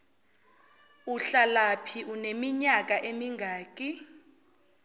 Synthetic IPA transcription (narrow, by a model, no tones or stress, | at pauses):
uɬalapʰiʔunemiɲak̬ʼaʔemiŋɡʱaːkʼi